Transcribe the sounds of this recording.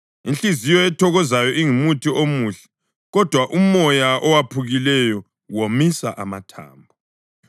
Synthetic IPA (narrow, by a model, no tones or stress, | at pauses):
int͡ɬizijɔɛtʰɔɣɔzajɔʔiŋumutʰiʔomuːɬɛ̥ | ɣɔd̥ʱwaʔumɔjaɔwapʰuɣilɛjɔ | womisaʔa̰ma̰tʰa̰ːmbʱɔ